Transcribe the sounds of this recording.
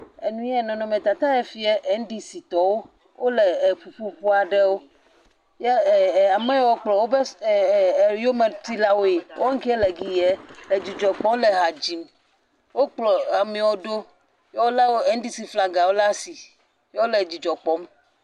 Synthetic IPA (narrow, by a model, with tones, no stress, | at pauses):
e˨nũ˦jɛ˦˨nɔ̃˨nɔ̃˨mẽ˨t̪a˨t̪a˦ɛ˦fi˦ɛ˦ʔɛ˨ŋ̩˦ɖi˦si˨t̪ɔ˨wo˦ | wʔo˦le˨ɸu˨ɸu˦ɸu˦a˨ɖɛ˦wo˦ | jɛ˦˨a˨mɛ˦wɔ˦k͡plɔ˨wo˦be˦˨˦ | jo˦me˨t̪i˦la˦wo˦je˨wo˦ŋ̩˦ki˦ɛ˦le˨ɡi˨jɛ˦le˨d͡ʑi˨d͡ʒɔ˨k͡pɔ̃˦m˦le˨ɦa˨d͡ʑi˨m | wo˦k͡plɔ˨a˨mĩ˨wo˦ɖo˦ | jɛ˦wo˦la˦wo˦e˦ŋ̩˦ɖi˦si˨fla˨ɡa˨wo˦la˦si˨ | jɛ˦wo˦le˨d͡ʑi˨d͡ʒɔ˨k͡pɔ˦m